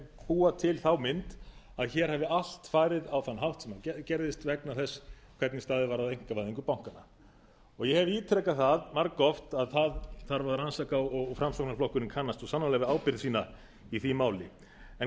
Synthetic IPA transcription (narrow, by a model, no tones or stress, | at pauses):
puːat̪ʰɪlθawmɪnt̪ | aðçɛːɾ̥hɛvɪal̥t̪faːjɾɪðawθanːɦaft̪sɛmaɛcɛɾðɪst̪vɛknaθɛsː | kʰvɛɾt̪nɪst̪aːðɪvaɾawejŋ̥kavajðiŋkʏpawŋ̥kanːa | ɔɣjɛhɛvɪiːt̪ʰɾɛkaθaðmaɾkɔft̪aðθaðθaɾvaɾðɾransakaɔɣfɾamsɔhknaflɔhkʏɾɪnkʰanːast̪ɔsanːalɛɣvɪaːwpɪɾðsiːna | iθimaːwlɪ | ɛ